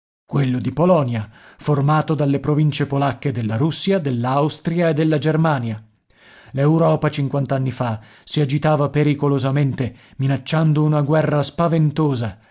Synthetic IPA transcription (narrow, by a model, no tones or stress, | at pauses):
kwelːod̪ipolɔnjaformaːt̪od̪alːepɾovint͡ʃepolakːed̪elːaɾusːjad̪elːawst̪ɾjaed̪ːelːad͡ʒermaːnja | lewɾɔːpat͡ʃiŋkwant̪anːifa | siad͡ʒit̪aːvapeɾikolozament̪eminat͡ʃːand̪ounaɡwɛrːaspavent̪oːza